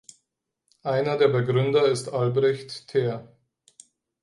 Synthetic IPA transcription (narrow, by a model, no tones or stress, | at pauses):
ʔaɪnɐdeːɐbəɡʁʏndɐɪstʔalbʁɛçtʰːeːɐ